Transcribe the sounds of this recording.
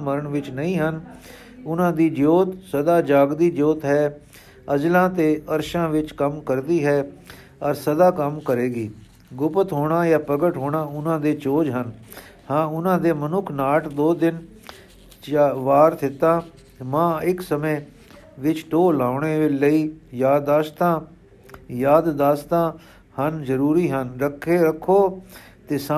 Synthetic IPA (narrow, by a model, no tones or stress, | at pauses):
məɾəɳʋɪt͡ʃnəĩːɦən | ʊnãːd̪iːd͡ʒoːt̪səd̪aːd͡ʒaːɡd̪iːd͡ʒoːt̪ɦɛː | əd͡ʒlãːt̪eːʔəɾʃãːʋɪt͡ʃkəmkəɾd̪iːɦɛː | ɔːɾsəd̪aːkəmkəɾeːɡiː | ɡʊpət̪ɦoːɳaːjaːpəɡəʈɦoːɳãːʊnãːd̪eːt͡ʃoːd͡ʒɦən | hãːʊnãːd̪eːmənʊkʰnaːʈd̪oːd̪ɪn | t͡ʃːʋaːɾt̪ʰɪt̪ãː | mãːɪksəmẽː | ʋɪt͡ʃʈoːlaːʊɳeːləiːjaːd̪aːst̪ãː | jaːd̪d̪aːst̪ãː | hənzəɾuːɾiːɦənɾəkʰːeːɾəkʰːoː | t̪eːsa